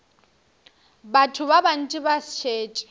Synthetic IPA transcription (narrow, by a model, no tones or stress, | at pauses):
batʰʊβaban̩t͡ʃʼɪbast͡ʃʰeːt͡ʃʼ